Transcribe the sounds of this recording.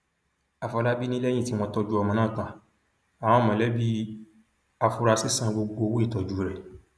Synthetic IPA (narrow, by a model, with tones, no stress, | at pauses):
a˨fɔ˧la˦bi˦nĩ˦lɛ˦jĩ˦˨ti˦m̃ɔ̃˧tɔ˧d͡ʒu˦ɔ˧mã˧nãː˦˨tã˨ | a˨w̃ɔ̃˨˦˨mɔ̃˨lɛ˨˦bi˦ | a˧fu˧ɾa˧si˦sã˦˧˨ɡ͡bo˧ɡo˧wo˦i˦˨tɔ˨d͡ʒu˨˦ɾɛ˨